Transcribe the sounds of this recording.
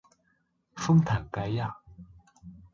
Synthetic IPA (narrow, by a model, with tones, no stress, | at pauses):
fɤ˥ŋt̪ʰa˨˩nka˧˦jja˥˨